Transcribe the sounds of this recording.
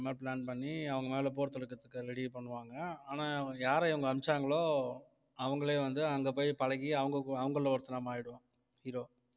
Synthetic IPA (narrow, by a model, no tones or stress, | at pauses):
meːpɭaːnpɐɳːiɐʋɐŋɡɐmeːlɐp̬oːɾt̪ːɯɾɯkːɐt̪ːɯkːɯɾɛɽipɐɳːɯʋaːŋɡɐaːnaːjaːɾɐɪʋɐŋɡɐːmt͡ʃːaːŋɡɐɭoː | ɐʋɐŋɡɐɭeːʋɐnd̪ɯɐŋɡɐpoːjpɐlɐɣiɐʋɐŋɡɐkɐʋɐŋɡɐɭlɐʋɐɾɯt̪ːɯlaːmaːjɪɽɯʋɐ̃ː | hiːɾoː